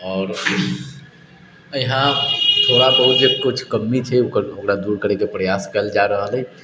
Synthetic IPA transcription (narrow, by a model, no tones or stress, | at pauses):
ɔːɾ | jɦãt̪ʰoːɽabəɦut̪d͡ʒeb̚kʊt͡ʃʰkəmːit͡ʃʰɛʊkəɾokɾad̪uːɾkəɾekepɾəjaːskəld͡ʒaɾəɦəlɛ